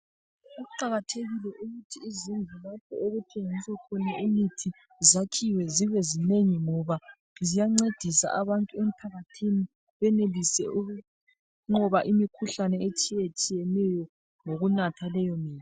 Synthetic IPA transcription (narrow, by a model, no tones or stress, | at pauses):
uuǃaɣatʰeɣilɛʔuɣutʰiːzind͡ɮʱulapʰɔ̰eɣutʰeŋiswakʰɔnaʔimitʰi | zakʰiwɛziβɛzineɲiŋɔβa | zijaŋ͡ǀed̥ʱisa̰ʔaβantʼuem̩pʰaɣatʰini | βɛnelisɛ̰u | ŋɔβaʔimikʰuɬanɛet͡ʃʼijet͡ʃʼijɛnɛjɔ | ŋoɣunatʰalɛjɔmiːli